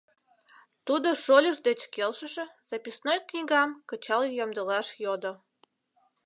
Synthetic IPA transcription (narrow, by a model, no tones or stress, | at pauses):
t̪ud̪oʃolʲəʃd̪et͡ɕkelʃəʃĕz̥ɑpʲisnojknʲiɣɑmkət͡ɕɑljɑmd̪əlɑʃjod̪o